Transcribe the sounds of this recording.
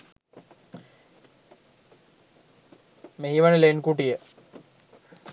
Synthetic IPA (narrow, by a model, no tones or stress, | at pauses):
meɦiʋanəlenkuʈijə